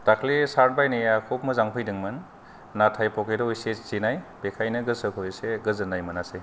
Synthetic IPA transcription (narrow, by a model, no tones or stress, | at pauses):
takʰlisaɾnbajnijakʰop̚mɯzaŋpʰɯjdɯŋmɯnː | atʰajpɔkedɔojset͡ʃinajb̥ekʰajnɯɡɯsɯkʰojseɡɯzɯnajmɯnase